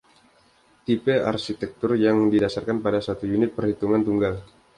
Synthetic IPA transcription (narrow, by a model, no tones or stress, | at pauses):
t̪ipea̰rʃit̪ɛk̚t̪ʊrjaŋdidasarkanpadasat̪ujunɪt̪̚pərhit̪uŋant̪uŋɡal